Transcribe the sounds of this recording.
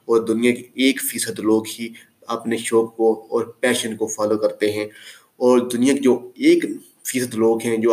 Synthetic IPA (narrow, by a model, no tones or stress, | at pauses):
ɔːɾd̪ʊnijakeeːkfiːsəd̪loːɡɦi | ɐpneʃɔːb̚koɔːɾpɛːʃənkofaːlokɐɾt̪eɦɛ̃ | ɔːɾd̪ʊnijaked͡ʒoːeːk | fiːsəd̪loːɡɦɛ̃d͡ʒoː